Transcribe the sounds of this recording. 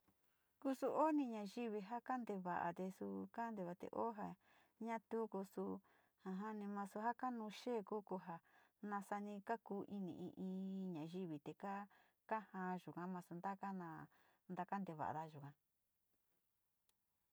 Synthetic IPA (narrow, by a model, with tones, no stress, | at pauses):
ku˦su˧ʔo˦nĩ˧ɲã˧ʒi˦βi˧ɦa˦ka˦nd̪e˧βa̰˨ʔa̰˨t̪e˧su˧ka˦nd̪e˧˨βa˧t̪ḛ˧˨ʔo˦ɦa˨ | ɲã˦t̪u˦ku˧su˧ | hã˧ɦã˦nĩ˧mã˧su˧ɦa˦ka˦nũ˧ʃeː˦˨ku˦ku˧ɦa˧˨nã˧sa˧nĩ˧ka˦kuː˦ʔi˦nḭ̃˨ʔḭ̃˧ʔĩː˧ɲã˨ʒi˦βi˨t̪e˨ka˦ | ka˦hã˧˦ʒu˨kã˧˦mã˧su˧nd̪a˦ka˦nã˧nd̪a˧ka˦nd̪e˧βa̰˨ʔa̰˨ða˦ʒu˨kã˧